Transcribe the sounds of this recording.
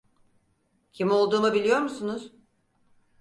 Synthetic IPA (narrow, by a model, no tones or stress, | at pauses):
cʰimo̞lˠd̪uːmɯbilʲijo̞ɾmusunuz̥